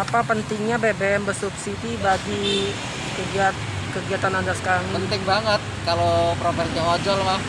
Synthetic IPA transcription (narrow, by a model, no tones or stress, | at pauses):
apapənt̪ɪŋɲabɛbeɛmbərsupsidibaɡi | kəɡiat̪̚kəɡiat̪anadasə̥kaɾaŋənt̪ɪŋbaŋət̪̚kalopəɾampaɦɲawad͡ʒalmah